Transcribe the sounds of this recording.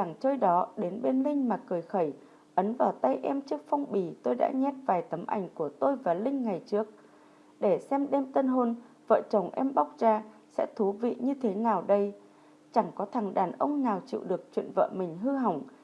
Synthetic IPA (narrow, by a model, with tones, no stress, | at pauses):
a˧˩ŋt͡ɕəː˧jɗɔ˨˦ɗe˨˦nɓe˧nlï˧ŋ̟maː˨˩kɨ˨˩jxə˧˩j | ʔə˨˦nvaː˨˩wt̪a˧jʔɛ˧mt͡ɕɨ˦˥ək̚fɔ˧wŋ͡mɓi˨˩t̪o˧jɗa̰ː˧˥ɲɛ˦˥t̚vaː˨˩jt̪ə˨˦mʔa̰˧˩jŋ̟ku˧˩ət̪o˧jvaː˨˩lï˧ŋ̟ŋa˨˩jt͡ɕɨ˦˥ək̚ | ɗe˧˩sɛ˧mɗɛ˧mt̪ə˧nɦo˧n | və̰ː˧˨t͡ɕə˨˧˩wŋ͡mʔɛ˧mɓa˦˥wk͡p̚zaː˧ | sɛ̰˧˥t̪ʰu˨˦vḭ˧˨ɲɨ˧t̪ʰe˨˦naː˨˩wɗə˧j | t͡ɕa˧˩ŋkɔ˨˦t̪ʰa˨˧˩ŋɗa̰ː˧˩nʔə̰˧wŋ͡mnaː˨˩wt͡ɕḭ˧˨wɗɨ˨˩ək̚t͡ɕwḭ˧˨ənvə̰ː˧˨mï˨˩ŋ̟ɦɨ˧ɦa˨˩wŋ͡m